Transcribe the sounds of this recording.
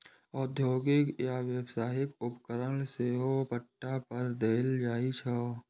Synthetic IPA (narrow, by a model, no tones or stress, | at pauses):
ɔːd̪ʱjoːɡɪkjaʋjəwsaːɦɪkʊpkəɾənseːɦopəʈːapəɾd̪eːld͡ʒaːit͡ʃʰə